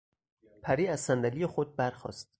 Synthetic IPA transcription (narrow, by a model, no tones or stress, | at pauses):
pʰæɾiːæzsænd̪ælijexod̪̚bæɾxɒ̰ːst̪